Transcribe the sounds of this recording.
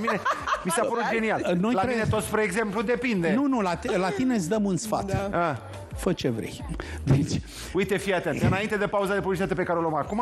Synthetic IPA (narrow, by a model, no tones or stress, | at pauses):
minemiseapəɾod͡ʒe̞nialno̞jlaɾeiinet̪ospɾeːɡze̞mplud̪e̞pind̪enunulat̪lat̪ine̞sd̪əmunsfa̰t̪a | fət͡ʃevɾḛjd̪et͡ʃʲ | ujt̪efijat̪ent̪ɨnaint̪e̞d̪e̞pauzad̪e̞p̬ublit͡ʃit̪at̪epe̞kaɾeolomakuma